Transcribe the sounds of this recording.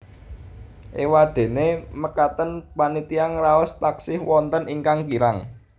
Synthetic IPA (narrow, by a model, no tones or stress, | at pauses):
ʔewaɖ̪̥e̤neməkat̪ənpanit̪iaŋraɔst̪aksɪhwɔnt̪ənʔiŋkaŋkiɾaŋ